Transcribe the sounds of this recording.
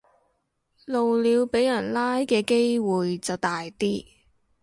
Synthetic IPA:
lo˨wliː˨˧wpe˨˥jjɐ˨˩nlaː˥jkɛː˧ke˥jwuː˨jt͡sɐ˨wt̪aː˨jt̪iː˥

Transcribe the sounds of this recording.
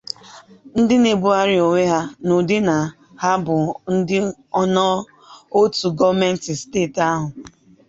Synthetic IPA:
n̩˦dɪ˦ne˨bu˦a˦ɾɪ˨o˨ŋʷe˦ɦa˦no˨dɪ˦na˨ | ha˦bʊ˨n̩˦dɪ˦ | ɔ˦nɔ˦ | o˦tu˨ɡɔ˦vme˦n̩˦tɪ˨steː˦˨ta˦ɦʊ˨

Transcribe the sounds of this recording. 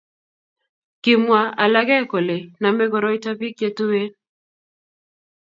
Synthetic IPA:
kɪ˨mwa˨a˨la˦ɡɛ˦ko˨le˨na˨mɛ˦ɡɔ˨ɾɔ˦ɪ˦ta˦pi˦k̚d͡ʒe˦tu˦we˦n

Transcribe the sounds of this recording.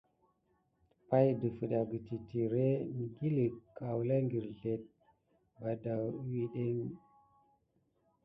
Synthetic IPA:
pa˦jdə˨fə˨ɗa˨ɡə˨ti˨ti˨ɾe˦mi˨ɡi˦li˨kːa˨wla˦ŋɡi˨ɾɮe˨t̚ | ba˨da˨wwi˦ɗe˦ŋ

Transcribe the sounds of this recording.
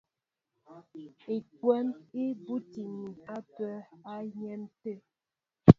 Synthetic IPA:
e˨kwɛ˦ni˦bu˦ti˨ɲi˨a˦pɛ˦a˦ɲɛ˦n˦te˦˨

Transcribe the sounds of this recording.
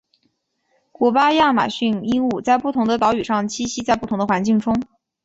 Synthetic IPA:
kwɔ˧˥pa˥ja˥˩ma̰˨˩ɕy˥˩ni˥ŋu˥˧t͡sa˥˧ɪpu˥˩t̪ʰʊ˧˥ŋd̪ə˧t̪ɑ˧˥ʊy˨˩ʂɑ˥˩ŋt͡ɕʰi˥ɕi˥t͡sa˥˧pu˥˩ʊ˧˥ŋd̪ə˧xwa˧˥nt͡ɕi˥˩ŋʈ͡ʂʊ˥ŋ

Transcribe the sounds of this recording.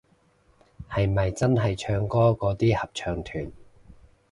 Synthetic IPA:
hɐ˨jmɐ˨jt͡sɐ˥nɦɐ˨jt͡ʃʰœː˧ŋkɔː˥kɔː˨˧˥t̪iː˥hɐ˨p̚t͡ʃʰœː˨˧ŋt̪ʰyː˨˩n

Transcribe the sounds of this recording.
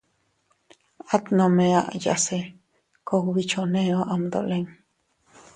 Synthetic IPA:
a˦t̪nõ˧mẽ˧a˧ʔja̰se˧ | koβit͡ʃʰo˧nẽo˦ʔa˧md̪o̰˨le˧ŋ

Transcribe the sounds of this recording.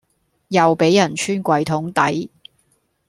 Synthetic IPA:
jɐ˨wpe˨˥jːɐ˨˩nt͡ʃʰyː˥nkʷɐ˨jt̪ʰʊ˨˥ŋt̪ɐ̰˨˥j

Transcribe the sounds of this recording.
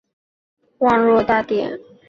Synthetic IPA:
wɑ˥˧ɻwɔ˥˧t̪a˥˧t̪jɛ̰˨˩˦n

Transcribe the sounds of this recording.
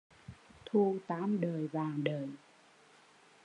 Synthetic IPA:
t̪ʰu˧t̪aː˨˦mɗəː˨˩jvaː˨˩ŋɗəː˨˩j

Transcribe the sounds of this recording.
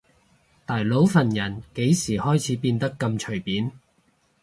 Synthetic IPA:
t̪aː˨˩jlo˨˥wfɐ˨˩njɐ˨˩nke˨˥jsiː˨˩hɔː˥jt͡sʰiː˨˥piː˧nt̪ɐ˥kːɐ˧mt͡ʃʰɵ˨˩ɥpiː˨˥n

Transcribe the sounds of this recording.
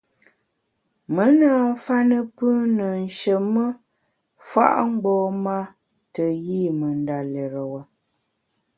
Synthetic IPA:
mə˦naː˨˦ɱ̩˦fa˦nə˦pɨː˦nə˨n˨ʃə˨mə˦ | fa̰˦ʔŋ͡m̩˦ɡ͡bɔː˦ma˦ | tə˨ɣi˦˨mə˨nda˨lɛ˨ɾə˨wə˨

